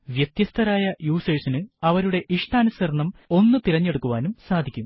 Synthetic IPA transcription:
ʋjet̪jɐst̪ʰɐɾaːjɐjuːseːsinɨɐʋɐɾuɽe̞ʔiʂʈaːnusɐɾɐɳɐmo̞nːɨt̪iɾɐɲːe̞ɽukːuʋaːnumsaːd̪ʱikʲːum

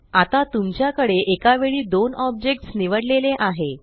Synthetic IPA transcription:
at̪at̪umt͡ɕjakəɽeʔekaʋeɭiːd̪onɔb̚d͡ʑek̚ʈsniʋəɽleleʔaɦe

